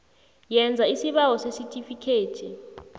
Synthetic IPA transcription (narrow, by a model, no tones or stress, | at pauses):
jɛnd͡zʱaisiɓawɔsesitʼifikʰeːd̥ʱi